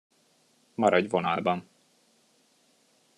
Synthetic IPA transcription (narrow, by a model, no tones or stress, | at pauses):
mɒɾɒɟvonɒlbɒn